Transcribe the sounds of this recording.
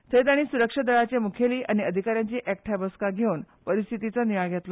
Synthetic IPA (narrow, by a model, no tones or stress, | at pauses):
t̪ʰet̪aɽ̃isuɾəkʂəd̪əɭat͡ɕemukʰjeliːʔaɽ̃iəd̪ʱikaɾjaɲt͡ɕiːʔɛkʈʰabəskaɡʱeunpəɾist̪ʰit̪it͡səniʋajɡjɛt̪lə